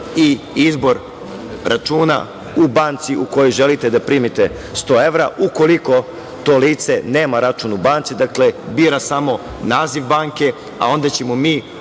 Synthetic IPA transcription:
i | izbo̞ɾ | ɾʔat͡ʃuːna̰ | ubaːnt̪siuko̞jojʒe̞lit̪e̞d̪apɾiːmit̪e̞ | st̪o̞ːe̞ʋɾaʔuko̞liko̞ | t̪o̞ːliːt̪se̞ne̞ːmaɾat͡ʃuːnubaːnt̪sid̪akle̞biːɾasamo̞ | naːziʋbaːŋke̞ | a̰o̞nd̪at͡ɕe̞momiː

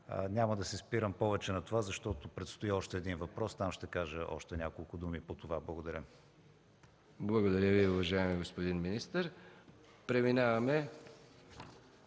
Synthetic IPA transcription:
nʲaməd̪ɐsɛspiɾəmpɔvɛt͡ʃɛnɐt̪ovazɐʃt̪ɔt̪opɾɛt̪st̪oiɔʃt̪ɛːd̪invɐpɾɔst̪amʃt̪ɛkaʒəʔɔ̰ʃt̪ɛnʲakolˠkʊd̪umipot̪ovablˠɐɡod̪ɐɾʲə | blˠɐɡod̪ɐɾʲəviʊvɐʒaɛmiɡospod̪inminist̪əɾ | pɾɛminavɐmɛ

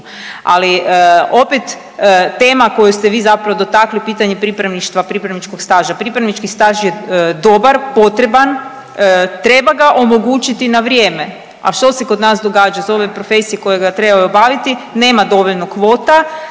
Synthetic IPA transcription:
a̰lio̞pet̪ | t̪ːeːmako̞just̪eʋiːzapɾaʋod̪ot̪aklipiːt̪aɲepɾipɾaʋniʃt̪ʋapɾipɾaʋnit͡ʃko̞kst̪aʒapɾipɾanit͡ʃkist̪aʒjed̪o̞baɾpo̞t̪ɾe̞ban | t̪ɾe̞baɡaʔo̞mo̞ɡuːt͡ʃit̪inaʋɾjeːme̞ | a̰ʃt̪o̞se̞ko̞d̪naːsd̪o̞ɡaːd͡ʒazo̞ʋe̞pɾo̞fe̞sijeko̞jeɡat̪ɾe̞bajobaʋit̪ine̞ːmad̪o̞ʋo̞ʎnokʋoːt̪a

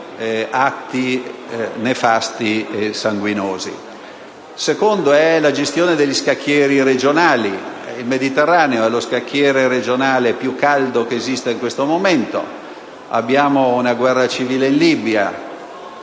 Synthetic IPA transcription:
at̪ːi | nefast̪iesaŋɡwinoːzḭ | sekond̪oɛlad͡ʒest̪joːned̪eʎːiskakːjɛːɾiɾed͡ʒonaːliilmed̪it̪erːaːneoɛloskakʰːjɛːɾeɾed͡ʒonaːlepjukːald̪okeːzist̪eiŋkwest̪omoment̪o̰ | a̰bːjaːmounaɡwɛrːat͡ʃiviːleinlibja

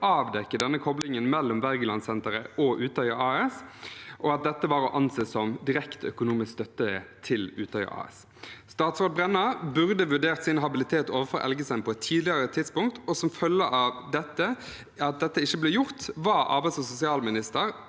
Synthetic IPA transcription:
ɑːʋd̪ɛkːəd̪ɛnːəkʰɔblɪŋənmɛlːɔmʋæʁɡəlɑnsɛnt̪əɾəʔɔʔʉːt̪ʰœʏɑɑːɛsʔɔɑt̪̚d̪ɛt̪ːəʋɑːɾɔʔɑnseːsɔmd̪ɪɾɛkt̪œ̰kʊnuːmɪskst̪œt̪ːət̪ʰɪlʉːt̪ʰœʏə̰ʔɑ̰ːɛ̰s | st̪ɑːt̪sʋɔd̪̚bʁɛnːɑbʉʁd̪əʋʉɖeːʁt̪sɪnɦɑbɪlɪt̪ʰeːt̪oːʋəɾfɔɾʔɛ̰lɡəsɛnpʰɔɛt̪ʰːiːd̪lɪɑɾət̪ʰɪd̪spʊŋk̚t̪ɔsɔmfœlːəɑʋd̪ɛt̪ːə | ɑt̪̚d̪ɛt̪ːəɪçːəblɛjʊʁt̪ʋɑʔɑ̰ːbæɪsɔsʊsɪɑːlmɪnɪst̪əɾ

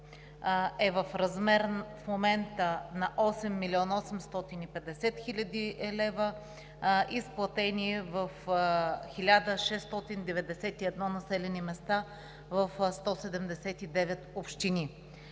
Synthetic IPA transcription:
ɛvəfɾɐzmɛɾfmomɛnt̪ənɐʔɔsɛmːilʲiɔnɔsɛmst̪ɔt̪inipɛd̪ɛsɛt̪xilʲəd̪iɛlɛvə | ʔisplˠɐt̪ɛnivəf | xilʲad̪əʃɛst̪ɔt̪ind̪ɛvɛd̪ɛsɛt̪iɛd̪nɔnɐsɛlɛnimɛst̪a | vəfst̪ɔsɛd̪ɛmd̪ɛsɛt̪id̪ɛvɛt̪opʃt̪ini

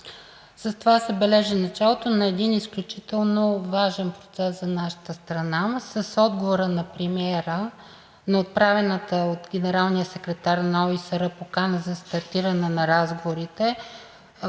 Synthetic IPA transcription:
səst̪ovasɛbɛlɛʒɛnɐt͡ʃalˠot̪onɐɛd̪inisklʲut͡ʃit̪ɛlˠnovaʒɛnpɾot̪sɛszɐnaʃə̥t̪əst̪ɾɐnasəsɔd̪ɡovoɾənɐpɾimɛɾə | nɐot̪̚pɾavɛnət̪əot̪ɡʲɛnɛɾalˠnijəsɛkɾɛt̪aɾnɐɔisəɾəpokanəzɐst̪ɐɾt̪iɾənɛnɐɾazɡovoɾit̪ɛ

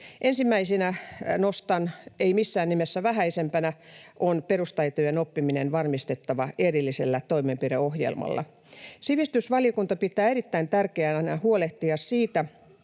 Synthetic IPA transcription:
ʔensimːæisinænost̪ɑneimisːæːnnimesːæʋæhæisempænæʔonperust̪ɑit̪ojenopːiminenʋɑrmist̪et̪ːɑʋɑerilːiselːæt̪oimempireohjḛlmɑ̰lːɑ̰ | siʋist̪ysʋɑlijokunt̪ɑpit̪ˑæːerit̪ːæint̪ærkeænænæhuoleht̪iɑssiːt̪æ

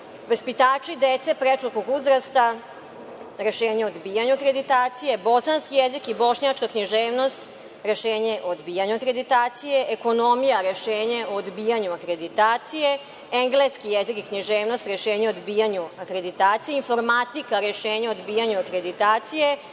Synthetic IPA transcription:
ʋəspit̪aːt͡ʃid̪et̪sepɾet͡ʃukoɡuzɾast̪a | ɾe̞ʃeːɲeod̪biːjaɲuakɾe̞d̪it̪aːt̪sije̞bo̞sanskijezikibo̞ʃɲat͡ʃkakɲiʒeːʋno̞st̪ | ɾe̞ʃeːɲeʔoːd̪biːjaɲuakɾed̪it̪aːt̪sije̞ʔeko̞no̞mijaɾe̞ʃeːɲeoːd̪biːjaɲuakɾe̞d̪it̪aːt̪sije̞ | eŋɡleskijezikikɲiʒeːʋnost̪ɾe̞ʃeːɲeod̪bijaɲuakɾe̞d̪it̪aːt̪sijeiɱfo̞ɾmat̪ikaɾeʃeːɲeod̪biːjaɲuakɾe̞d̪it̪aːt̪sije̞

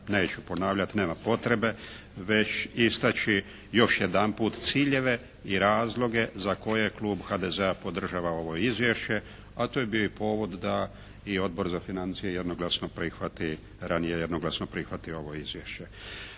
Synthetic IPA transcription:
neːt͡ɕupo̞naːʋʎat̪ne̞ːmapo̞t̪ɾe̞be̞ | ʋet͡ɕist̪at͡ɕi | jo̞ʃjed̪anpuːt̪t̪siːʎe̞ʋe̞ | iɾaːzlˠo̞ɡe̞zako̞jekluːbxad̪ezeapo̞d̪r̩ʒaːʋao̞ʋo̞izʋje̞ʃt͡ɕe̞ | at̪ojebioipo̞ːʋod̪ːa | io̞d̪̚bo̞ɾzafinant̪sije̞je̞d̪noɡlˠasnopɾixʋat̪i | ɾanijejed̪noɡlˠasnopɾixʋat̪io̞ʋo̞izʋjeʃt͡ɕe̞

